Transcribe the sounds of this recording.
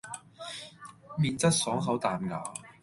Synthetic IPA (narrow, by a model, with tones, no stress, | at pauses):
miː˨nt͡sɐ˥t̚sɔː˨˥ŋɦɐ˨˥wt̪aː˨˩nŋaː˨˩